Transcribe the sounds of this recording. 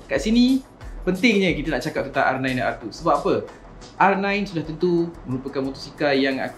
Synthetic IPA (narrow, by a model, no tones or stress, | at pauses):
kaʔsini | pənt̪ɪŋɲə̃kit̪ənaʔt͡ʃakap̪̚ənt̪aŋʔa̰rnajndaʔart̪usəbapapə | ʔarnãjnsudaht̪ənt̪umə̃ɾupəkanmɔt̪ɔsikajaŋa̰